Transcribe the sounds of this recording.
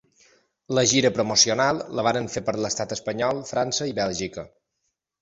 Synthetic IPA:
ləʒiɾəpɾomusiunalˠːəβ̞aɾəɱfepəɾləst̪at̪əspəɲɔlˠfɾansəiβɛlˠʒikə

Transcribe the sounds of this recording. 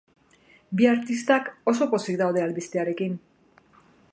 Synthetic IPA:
biaɾt̪ist̪ako̞so̞po̞sikd̪awð̞e̞alβist̪eaɾe̞kin

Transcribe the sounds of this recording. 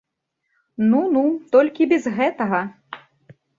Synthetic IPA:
nunut̪ɔlʲkʲibʲɛzɣɛt̪ɐɣɐ

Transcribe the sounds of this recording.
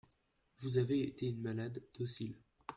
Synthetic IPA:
vuzaveːt̪eynmalad̪̥ːosil

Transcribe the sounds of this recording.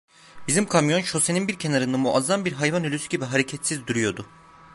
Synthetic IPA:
bizimkʰamjo̞nʃo̞se̞ninbiɾcʰe̞naɾɯnd̪amuʔazanbiɾɦajvanylʲysyɟibiɦaɾecʰɛt̪sizd̪uɾyjo̞d̪ʊ

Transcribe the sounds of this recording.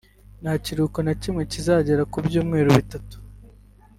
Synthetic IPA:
naciɾukonacimŋe̞cizaɟeɾakubɟuːmŋe̞ːɾuβitatu̥

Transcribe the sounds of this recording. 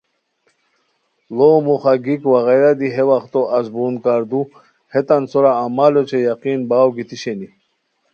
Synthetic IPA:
lomuχaɡikwaɣajɾad̪iɦewaχt̪oʔazbunkaɾd̪u | het̪ant͡soɾaːmalot͡ɕʰejaqinbaːwɡit̪iɕeni

